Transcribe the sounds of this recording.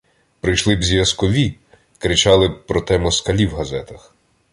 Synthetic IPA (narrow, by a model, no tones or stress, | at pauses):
pɾɪjʃlˠɪbzʲjʲɐskɔʋʲi | kɾɪt͡ʃɑlˠɪpɾɔt̪ɛmɔskɐlʲiwɦɐzɛt̪ɐx